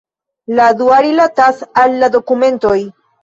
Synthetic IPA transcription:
lad̪uaɾilat̪asalːad̪o̞kumẽ̞nt̪o̞j

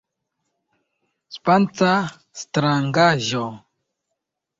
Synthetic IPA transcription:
spant͡sa | st̪ɾaŋɡaʒo

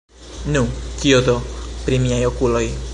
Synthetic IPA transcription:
nũkiod̪opɾimiajokuloj

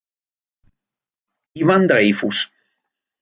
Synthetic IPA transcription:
iβand̪ɾejfus

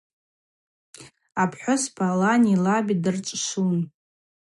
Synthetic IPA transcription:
apʰħʷᶣʊspʰalanilabidɨrt͡ʃʼʂun

